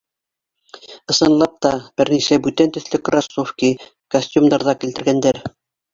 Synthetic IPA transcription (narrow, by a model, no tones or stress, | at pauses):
ɤ̆sɤ̆nlˠɑp̚t̪ɑb̥ɘɾnisæbʉt̪ænt̪ɵ̆θlɘkrasːofkʲi | kɐsʲtʲumd̪ɑɾðɑkilt̪ɘ̆ɾɡænd̪æɾ